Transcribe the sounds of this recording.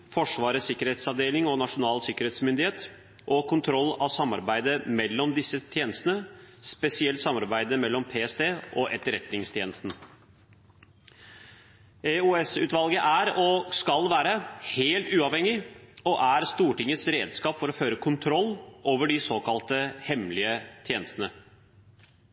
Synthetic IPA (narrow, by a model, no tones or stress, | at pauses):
fɔʂʋɑːɾəsɪkːəɾheːt̪sɑʋd̪eːlɪŋɔnɑʂʊnɑːlsɪkːəɾeːt̪smʏnd̪ɪheːt̪ | ʔɔkʰʊnt̪ʰɾɔlːɑʋsɑmɑ̰ɾbæɪd̪əmɛlːɔmd̪ɪsːət̪ʰjeːnəst̪ənəspɛsɪɛlt̪sɑmːɑɾbæɪd̪əmɛlːɔmpʰeːɛst̪eːʔɔʔɛt̪ːəɾɛt̪nɪŋst̪ʰjeːnəst̪nə | euɛsʉːt̪ʋɑlɡəʔæɾɔskɑlʋæːɾəheːlt̪ʉːɑʋhɛŋːɪɔʔæɾst̪uːʈɪŋːəsɾeːd̪skɑːpfɔɾɔføːɾəkʰʊnt̪ʰɾɔlːoːʋəɖɪsoːkʰɑlt̪əhɛmlɪət̪ʰjeːnəst̪ənə